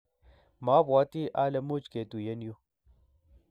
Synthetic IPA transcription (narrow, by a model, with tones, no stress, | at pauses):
ma˨˦ba˨˦t̪i˦ʔa˦le˨mu˦t͡ʃke˨t̪u˨je˦njo˦